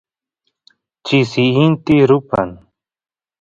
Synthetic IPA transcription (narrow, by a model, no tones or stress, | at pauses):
t͡ʃisiint̪iɾupa̰n